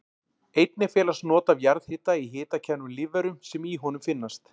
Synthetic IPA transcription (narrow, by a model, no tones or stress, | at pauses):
ejt̪̚nɪfɛːlastnɔːt̪avjaɾð̥hɪːt̪aiɦɪːt̪acʰɛnːʏmlɪvɛɾʏmsɛmiɦɔnʏmfɪnːast̪